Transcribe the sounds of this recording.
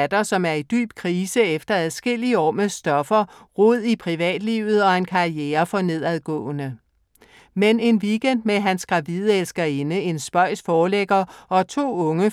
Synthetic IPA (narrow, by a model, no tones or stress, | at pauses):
d̥ɐsɒ̽mæɐid̥y̰ːb̥̚kʰʁiːsəefd̥ɐæð̩ˠsɡ̥e̝l̰iəɒ̰ːmesd̥ɒ̽fɐ | ʁoð̰ˠipʰʁiʋɛ̰ːd̥lḭːʊð̞̩ˠɒ̽e̝nkʰɑ̈ieːɐfɒ̽ne̝ð̞̰ˠæð̞ˠɡ̥ɔ̰̽ːnə | mene̝nʋiɡ̥en̰d̥meɦænsɡ̥ʁɑ̈ʋiðˠelsɡ̥ɐe̝nəe̝nsb̥ɒ̽ɪ̰sfɒːleɡ̥ɐɒ̽t͡sʰo̝̰ːɔ̽ŋə